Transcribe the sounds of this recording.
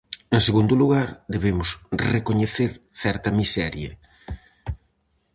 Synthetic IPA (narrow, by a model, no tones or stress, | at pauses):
eŋseɣund̪ʊluɣaɾd̪eβemʊsrekoɲeθeɾθɛɾt̪ɐmisɛɾjɐ̰